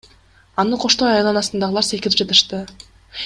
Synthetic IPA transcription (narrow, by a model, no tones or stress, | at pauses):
ɑnɯqʰo̞ʃt̪ojɑjlˠɑnɑsɯnd̪ɑʁəlˠɑɾsekʲɪlip̚d͡ʒɑt̪ɯ̥ʃt̪ɯ